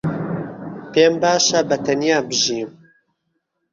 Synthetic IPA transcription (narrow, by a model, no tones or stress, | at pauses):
peːmbaːʃabɐt̪ʰɐnijaːbɨʒiːm